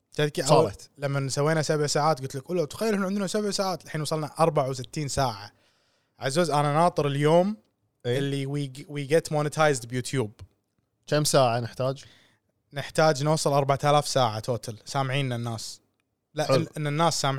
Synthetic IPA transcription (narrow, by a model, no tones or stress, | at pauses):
t̪ad̪kiʔɑt̪lamːasawːeːnasabʕsaːʕaːt̪̚ɡʊt̪lɪkʔuːlːawt̪xajːɪlɪnːɪnd̪nusabʕsaːʕaːt̪lħiːnwɑsˤɑlnaʔɑɾˤbaʕawsɪt̪ːiːnsaːʕa | ʕazoːzʔananɑːt̪ˤɨɾɪljoːm | ʔɪlːiwiwiɡɛt̪moːnɪt̪ʰajzd̪bjut̪ʰjuːb̚ | kamsaːʕanɪħt̪aːd͡ʒ | nɪħt̪aːd͡ʒnwɑsˤːɨlʔɑɾˤbaʕt̪alaːfsaːʕat̪ʰoːt̪ʰalsaːmʕiːnːanːaːs | laʔnʔɪnːanːaːsːaːm